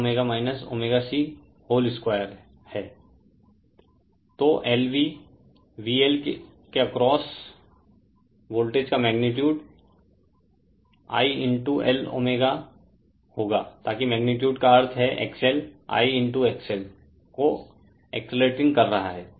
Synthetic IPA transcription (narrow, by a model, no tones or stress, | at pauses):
meːɡamaːɪnəso̰ːmeːɡasi | hoːlɪskwaːjəɾ | hɛː | t̪oːʔɛːlʋi | ʋiːelk | keɐkɾɔːs | ʋoːlʈeːd͡ʒkamɛːɡnɪʈjuːɖ | a̰ːiɪ̃ɳʈuʔɛ̰lo̰ːmeːɡa | hoːɡaːt̪aːkimɛːɡnɪʈjuːɖkaɐɾt̪ʰɦɛʔḛːksɛla̰ːiɪ̃ɳʈueːksɛl | ko | ḛksɪleːʈɪ̃ŋɡkɐɾːɐɦaɦɛː